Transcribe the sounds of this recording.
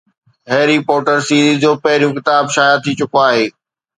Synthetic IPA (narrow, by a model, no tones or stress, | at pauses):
ɦeːɾipoːʈəɾsiːɾizd͡ʑoːpɐɦɪɾijũkɪt̪aːbʃaːjat̪ʰit͡ɕʊkoaːɦeː